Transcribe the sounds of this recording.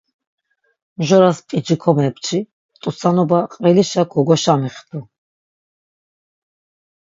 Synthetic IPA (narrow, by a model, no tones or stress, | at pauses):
mʒɔɾaspʼid͡ʒikʰɔmɛpt͡ʃʰi | t̪ʼusanɔbaqʼvɛliʃakʰɔɡɔʃamiχd̪ʰu